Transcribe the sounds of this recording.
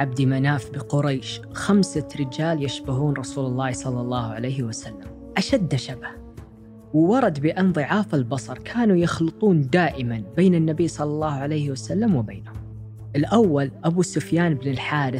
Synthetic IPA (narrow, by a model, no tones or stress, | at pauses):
ʕab̚d̪imanaːfbɪqʊɾˤɑːʃ | xamsaɾɪd͡ʒaːljɪʃbaɦuːnɾˤɑsuːlɑlˤːɑːhsˤɑlːɑlˤːɑːhʕalejhɪwasalːam | ʔaʃad̪ːaʃabah | wɪwɑɾˤɑd̪bɪʔɑnðˤiʕaːfalbɑsˤɑɾˤkʰaːnujɑxlɨt̪ˤuːnd̪aːʔɪmanbeːnɪnːabiːsˤɑlːɑlˤːɑːhʕalejhɪwasalːamwɪbeːnʊm | ʔɪlʔawːalʔabusʊfjaːnɪbnɪlħaːɾɪ